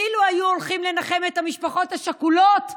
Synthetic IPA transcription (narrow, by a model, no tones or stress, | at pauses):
iluajuolχimle̞naχe̞methamiʃpaχo̞thaʃakulo̞t